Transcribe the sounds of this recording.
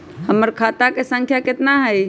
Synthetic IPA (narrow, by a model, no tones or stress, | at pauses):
həməɾkʰat̪akesə̃ŋkʰjaket̪naɦəj